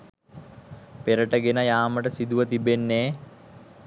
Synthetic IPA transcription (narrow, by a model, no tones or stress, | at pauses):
peɾəʈəɡenəjaːməʈəsid̪uʋət̪ibenːeː